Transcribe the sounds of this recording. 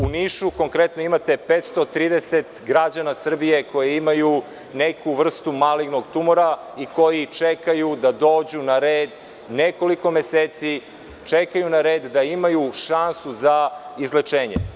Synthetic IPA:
uniːʃuko̞ŋkɾet̪noimat̪e̞pet̪st̪ot̪ɾiːd̪eset̪ɡɾad͡ʑanasr̩bije̞ko̞jeimaju | nekuʋr̩st̪umaliɡno̞ɡt̪umoɾa | iko̞jit͡ʂekajud̪ad̪o̞ːd͡ʑunaɾeːd̪ | neko̞liko̞meseːt̪si | t͡ʃekajunaɾeːd̪ːaimajuʃansuzaizlet͡ʂeːɲḛ

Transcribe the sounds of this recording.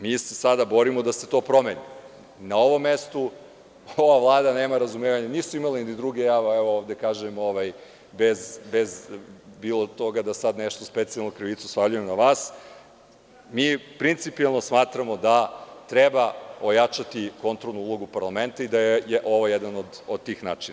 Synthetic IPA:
miːsesad̪abo̞ɾimod̪ase̞t̪o̞ːpɾo̞meni | nao̞ʋo̞mːest̪u | oʋavlˠaːd̪ane̞ːmaɾazumeːʋaɲanisuimalanid̪id̪ɾuɡejaːʋaeʋooːʋd̪ekaːʒemoʋaj | bezbezbiːlˠot̪o̞ɡad̪asad̪neʃt̪ospet̪sialnokɾiʋit̪su̥spavʎuje̞mnaʋaːs | miːpɾint̪sipialˠno̞smaːt̪ɾamo̞d̪at̪ɾebaojat͡ʃat̪iko̞nt̪ɾolˠnuulˠo̞ɡupaɾlˠame̞nt̪aid̪ajejeʔo̞ʋojed̪anod̪od̪̚t̪ːiːxnaːt͡ʃina

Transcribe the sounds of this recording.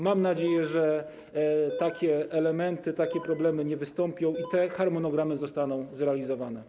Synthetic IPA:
mamnad͡ʑejɛʐɛ | t̪akʲɛɛlɛmɛnt̪ɘt̪akʲɛpɾɔblɛmɘɲɛvɘst̪ɔmpʲjɔ̃w̃it̪ɛxaɾmɔnɔɡɾamɘzɔst̪anɔ̃w̃zɾɛalʲizɔvanɛ

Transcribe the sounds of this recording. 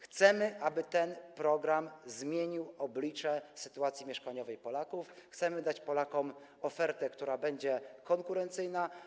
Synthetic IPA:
xt̪sɛmɘʔabɘt̪ɛnpɾɔɡɾamzmʲjeɲiwɔblʲit͡ʂɛsɘ̥t̪uat̪sʲjimʲɛʂkaɲɔvɛjpɔlakufxt̪sɛmɘd̪at͡ɕpɔlakɔm | ɔfɛɾt̪ɛkt̪uɾabɛɲd͡ʑɛkɔŋkuɾɛnt̪sɘjna

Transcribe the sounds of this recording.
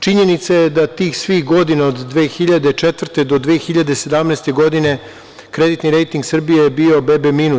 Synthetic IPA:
t͡ʃiɲe̞nit̪sajed̪at̪iːxsʋixɡo̞d̪inaod̪ːʋeːxiʎad̪et͡ʃet̪ʋr̩t̪ed̪o̞d̪ʋeːxiʎad̪e̞se̞d̪amneːst̪e̞ɡo̞d̪ine̞ | kɾe̞d̪it̪niɾe̞jt̪iŋɡsr̩bijeebio̞bebeminu

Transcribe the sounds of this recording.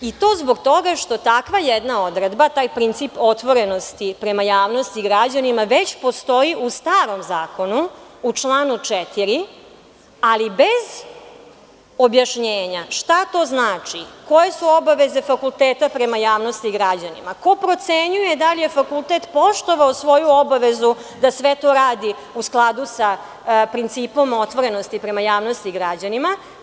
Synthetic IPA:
it̪o̞ːzbo̞ɡt̪o̞ɡaʃt̪o̞t̪akʋajed̪nao̞d̪ɾed̪bat̪aːjpɾint̪sipo̞t̪ʋo̞ɾe̞no̞st̪ipɾe̞majaːʋno̞st̪iɡɾad͡ʑanimaʋe̞t͡ɕpo̞st̪o̞iʔust̪aːɾo̞mzaːko̞nuut͡ʂlˠaːnut͡ʂet̪iɾi | alibez | o̞bjaʃɲeːɲaʃt̪at̪o̞ːznaːt͡ʂiko̞je̞suo̞baʋe̞ze̞fakulˠt̪eːt̪apɾe̞majaːʋnost̪iɡɾad͡ʑanḭmako̞pɾo̞t̪seɲujed̪alijefakulˠt̪eːt̪po̞ʃt̪o̞ʋaosʋo̞juobaʋe̞zu | d̪asʋet̪o̞ɾaːd̪i | usklˠad̪usa | pɾint̪siːpo̞mo̞t̪ʋo̞ɾe̞no̞st̪ipɾe̞majaːʋno̞st̪iɡɾad͡ʑanima

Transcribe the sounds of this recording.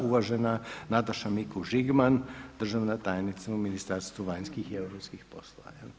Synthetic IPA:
uʋaʒɛnanat̪aʃamikuʒiɡmand̪ər̩ʒaʋnat̪ajnit̪sauminist̪aɾst̪ʋuʋajnskixiewɾoːpskixposloʋa̰ja

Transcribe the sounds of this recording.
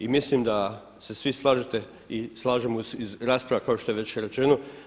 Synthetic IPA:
imislimd̪a | se̞sʋislˠaːʒet̪e̞ | islˠaːʒemuzizɾaːspɾaʋakaoʃt̪o̞jeʋe̞t͡ɕɾet͡ʃe̞no

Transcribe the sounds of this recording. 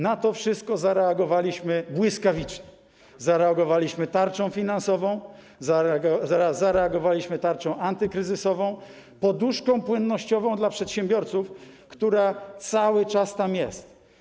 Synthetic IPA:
nat̪ɔfʂɘst̪̚kɔzaɾɛaɡɔvalʲiɕmɘbwɘskavʲit͡ʂɲɛ | zaɾɛaɡɔvalʲiɕmɘt̪aɾt͡ʂɔ̃w̃fʲinansɔvɔ̃w̃ | za | zaɾɛaɡɔvalʲiɕmɘt̪aɾt͡ʂɔ̃w̃ʔant̪ɘkɾɘzɘsɔvɔ̃w̃ | pɔd̪uʂkɔ̃w̃pwɘnːɔɕt͡ɕɔvɔ̃w̃d̪lapʂɛt̪ɕɛ̃mbʲjɔɾt̪suf | kt̪uɾat̪sawɘt͡ʂast̪amjɛst̪

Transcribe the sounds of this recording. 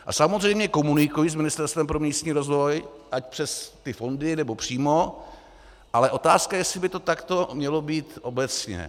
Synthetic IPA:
ʔa̰samo̞zr̝ɛjmɲɛko̞munɪkujis̬mɪnɪst̪ɛɾst̪vɛmpɾo̞miːst̪ɲiːɾo̞zvo̞jʔac̚pr̥ɛst̪ɪfo̞ndɪnɛbo̞pr̝̥iːmo̞ | ʔalɛʔo̞t̪aːskajɛsɪbɪt̪o̞t̪akt̪o̞mɲɛlo̞biːt̪ʔo̞bɛt͡sɲɛ̰

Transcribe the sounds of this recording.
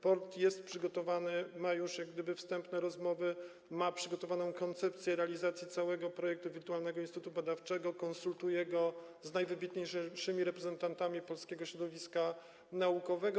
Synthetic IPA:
pɔɾt̪jɛst̪̚pʂɘɡɔt̪ɔvanɘmajuʂjaɡd̪ɘbɘfst̪ɛmpnɛɾɔzmɔvɘ | mapʂɘɡɔt̪ɔvanɔ̃w̃kɔnt̪sɛpt̪sʲjɛɾɛalʲizat̪sʲjit̪sawɛɡɔpɾɔjɛk̚t̪uvʲiɾt̪ualnɛɡɔinst̪ut̪ubad̪aft͡ʂɛɡɔkɔnsult̪ujɛɡɔznajvɘbʲit̪ɲejʂɘmʲiɾɛpɾɛzɛnt̪ant̪amʲipɔlskʲɛɡɔɕɾɔd̪ɔvʲiska | naukɔvɛɡɔ

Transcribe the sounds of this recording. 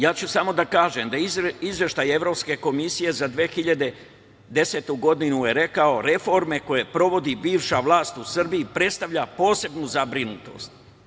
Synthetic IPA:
jaːt͡ɕusamo̞d̪akaːʒemd̪aiizʋje̞ʃt̪aje̞ʋɾo̞pske̞ko̞misije̞zad̪ʋexiʎad̪e̞ | d̪e̞seːt̪uɡo̞d̪inuje̞ɾe̞kao̞ɾe̞fo̞ɾme̞ko̞je̞pɾo̞ʋo̞d̪ibiːʋʃaʋlˠaːst̪usr̩biipɾe̞dt̪st̪aʋʎapo̞ːse̞bnuzabɾinut̪o̞̰st̪

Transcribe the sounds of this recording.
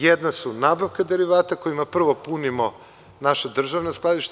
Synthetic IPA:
jed̪nasunaːbaʋkad̪e̞ɾiʋaːt̪ako̞jimapr̩ʋo̞punimo̞ | naʃad̪r̩ʒaʋnasklˠad̪iʃt̪

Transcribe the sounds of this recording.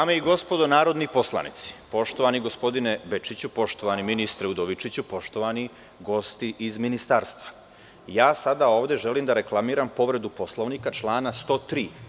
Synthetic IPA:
daːmeiɡo̞spo̞d̪o̞naːɾo̞d̪nipo̞sla̰nḭt̪si̥po̞ʃt̪o̞ʋaniɡo̞spo̞d̪inebet͡ʃit͡ɕupo̞ʃt̪o̞ʋaniminist̪ɾeud̪oʋit͡ʃit͡ɕupo̞ʃt̪o̞ʋani | ɡo̞st̪iʔizminist̪aːɾst̪ʋa | jaːsad̪ao̞ːʋd̪e̞ʒe̞liːmd̪aɾe̞klˠamiːɾampo̞ʋɾe̞d̪upo̞slˠoʋnikat͡ʃlˠaːnast̪o̞ːt̪ɾiː

